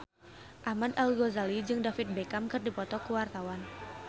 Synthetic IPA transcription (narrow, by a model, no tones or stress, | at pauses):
ʔahmad̪alɡozalid͡ʒɨŋdafɪt̪̚bekamkɨrdipɔt̪ɔkəwart̪awan